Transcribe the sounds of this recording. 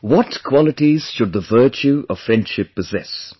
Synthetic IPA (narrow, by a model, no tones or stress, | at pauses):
wɔtkʰw̥ɔlɪtiz̥ʃʊd̪̚ðəvɜˑ˞t͡ʃuʌv̥fɹɛ̃nd̥ʃɪpʰːəzɛs